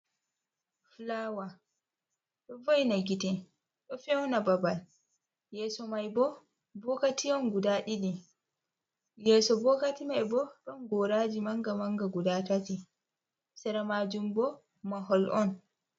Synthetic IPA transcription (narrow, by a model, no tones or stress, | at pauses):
flawa | ɗɔvojnaɡitɛ | ɗɔfɛwnababal | jɛːsɔmajbɔ | bɔkatiɔnɡudaɗini | jɛsɔbɔkatimajbɔɗɔnɡɔɾad͡ʒimaŋɡamaŋɡaɡudatati | sɛɾamad͡ʒumbɔ | maɦɔlʔɔn